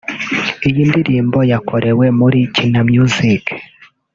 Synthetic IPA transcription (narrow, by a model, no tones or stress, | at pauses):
ijiːndiɾiːmbo̞jakʰoɾewe̞muɾicinamjuzik